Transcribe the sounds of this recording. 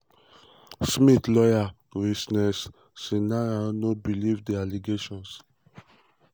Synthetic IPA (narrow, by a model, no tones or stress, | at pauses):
smitlɔja | ɹisnɛsː | inaɹanobilivdɛaliɡeʃɔ̃ns